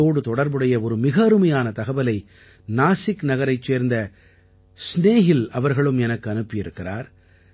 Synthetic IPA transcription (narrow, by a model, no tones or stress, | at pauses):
oːɽɯt̪ɔɽɐɾbɯɽɐjɐɔɾɯmɪɣɐːɾɯmɐjaːnɐt̪ɐɣɐbɐlɐɪ | naːsɪkːnɐɣɐɾɐɪt͡ʃːeːɾnd̪ɐ | sneːɣɪlɐʋɐɾɣɐɭɯmɛnɐkːɯɐnɯpːɪjɪɾɯkːɪra̰ːɾ